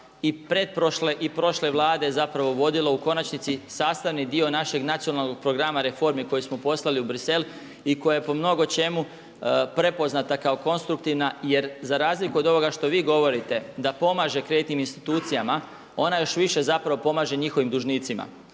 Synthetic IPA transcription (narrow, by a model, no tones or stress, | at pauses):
ipɾe̞d̪̚pɾoʃleʔipɾo̞ʃle̞ʋlˠaːd̪e̞jzapɾaʋo̞ʋo̞d̪ilˠauko̞nat͡ʃnit̪sisaːst̪aʋnid̪io̞naʃe̞ɡnat̪ijo̞nalnoɡ̚pɾo̞ɡɾamaɾe̞fo̞ɾmiko̞jismo̞po̞slˠaliubɾise̞l | iko̞jajepo̞mno̞ɡo̞t͡ʃe̞mu | pɾe̞po̞znat̪akaoko̞nst̪ɾuk̚t̪iʋnaje̞ɾzaɾaːzlikuo̞d̪o̞ʋo̞ɡaʃt̪o̞ʋiːɡo̞ʋo̞ɾit̪e̞d̪apo̞maːʒe̞kɾe̞ːt̪niminst̪i̥t̪uːt̪sijama | o̞najo̞ʃʋiʃe̞zapɾaʋo̞po̞maːʒe̞ɲixo̞ʋimd̪uʒniːt̪sima̰